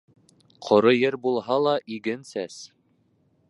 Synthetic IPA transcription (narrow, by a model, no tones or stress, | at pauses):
qʰŏɾɤjɘɾbulˠɦɑlˠɑʔiɡɘnsæs